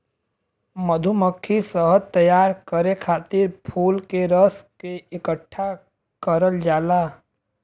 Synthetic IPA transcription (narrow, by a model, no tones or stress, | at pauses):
məd̪ʱuməkʰːisəɦət̪əjaːɾkəɾekʰaːt̪ɪɾpʰuːlkeɾəskeɪkəʈʰːa | kəɾəld͡ʒaːlaː